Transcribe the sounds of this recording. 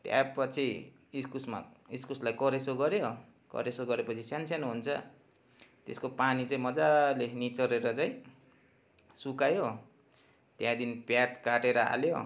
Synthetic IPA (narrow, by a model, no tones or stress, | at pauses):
t̪ja̰pʌt͡sʰi | iskusma̰iskuslajkʌɾesoɡʌɾjo | kʌ̰ɾesoɡʌɾepʌt͡sʰisansjanɦunt͡sʰʌ̰ | t̪ḛskopanit͡saĩmʌd͡zalenit͡sʌɾeɾʌt͡saĩ | sukajo | t̪jãd̪inpjat͡skaʈeɾʌa̰ljo